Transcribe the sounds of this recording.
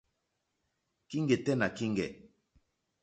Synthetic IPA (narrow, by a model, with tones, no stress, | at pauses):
ki˦ŋɡɛ˨tɛ˦na˨ki˦ŋɡɛ̰˨